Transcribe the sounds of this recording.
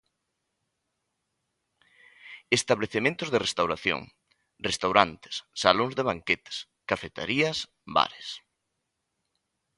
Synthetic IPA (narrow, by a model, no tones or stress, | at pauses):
est̪aβleθemẽnt̪ʊzðerest̪awɾaθjo̰ŋ | rest̪awɾant̪ɪ̥ssaloŋzðeβaŋket̪ɪ̥s | kafet̪ḛɾiɐs | ba̰ɾes